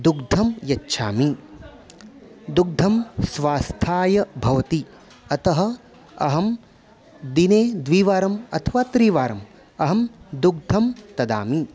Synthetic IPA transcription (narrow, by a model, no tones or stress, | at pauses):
d̪uɡd̪ʱɐmjɐtːʃʰaːmi | d̪uɡ̚d̪ʱɐmsʋaːst̪ʰaːjɐbʱɐʋɐt̪i | ɐt̪ɐɦɐ̆ | ɐɦɐm | d̪ineːd̪ʋiːʋaːɾɐmɐ̰t̪ʰɐʋaːt̪ɾiːʋaːɾɐm | ɐɦɐmd̪uɡ̚d̪ʱɐmt̪ɐd̪a̰ːmi